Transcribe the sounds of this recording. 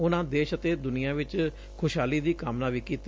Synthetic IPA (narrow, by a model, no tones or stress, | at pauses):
ʊnãːd̪eːʃət̪eːd̪ʊnɪjãːʋɪt͡ʃ | kʰʊʃɦaːliːd̪iːkaːmnãːʋiːkiːt̪